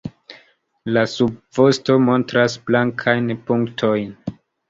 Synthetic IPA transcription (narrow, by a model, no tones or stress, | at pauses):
lasub̚vo̞sto̞mo̞ntɾasblaŋkʰajnpuŋktʰo̞jn